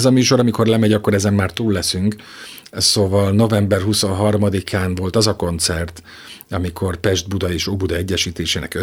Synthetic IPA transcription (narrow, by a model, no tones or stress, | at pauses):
zɒmyːʃo̞ɾɒmiko̞rlɛmɛɟɒkːoɾɛzɛmːaːrt̪uːlːɛsyŋk | soːvɒlno̞vɛmbɛrɦuso̞nɦɒrmɒd̪ikʰaːnvo̞lt̪ɒzɒko̞nt̪sɛrt̪ | ɒmikʰo̞rpɛʒd̪bud̪ɒeːʃoːbud̪ɒɛɟːɛʃiːt̪eːʃeːnɛ̰kø